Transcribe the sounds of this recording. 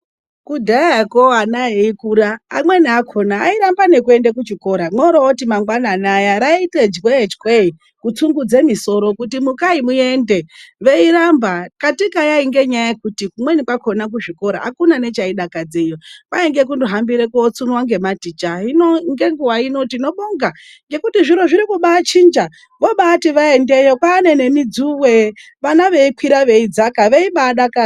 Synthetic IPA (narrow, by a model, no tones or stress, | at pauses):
kudʱaaekoanaeikuɾa̰ːmwe̞niakʰo̞naːiɾambane̞kue̞ndek̬ut͡ʃiko̞ɾamwoɾootimaŋɡwananajaɾaited͡ʒwed͡ʒkwei | kut͡suŋɡud͡zemiso̞ɾo̞kutimukaimue̞nde̞ʋe̞iɾambakatikajaiŋɡe̞ɲajaekutikumwenikwakʰo̞nak̬uʐiko̞ɾa̰akunane̞t͡ʃaiɗakad͡zejopaeŋɡe̞k̬undoɦambiɾekoot͡sunwaŋɡe̞matit͡ʃainoŋɡe̞ŋɡuwaino̞tino̞ɓoŋɡa | ŋɡe̞kutiʐiɾoʐiɾikuɓaːt͡ʃind͡ʒa | ʋoɓaːtiʋae̞nde̞jokwaːne̞ne̞mid͡zuwe̞ | ʋanaʋe̞ikwiɾaʋe̞id͡zakaʋeiɓaːɗaka